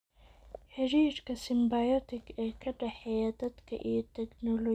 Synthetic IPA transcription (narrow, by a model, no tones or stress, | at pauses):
ħɪɾiːɾkʰɐsɪmbajɔt̪ʰɪkʰɛːkʰɐɖɛħɛjɐd̪ɐd̪kʰɐ̰ʔijɔt̪ʰɛknɔlɔ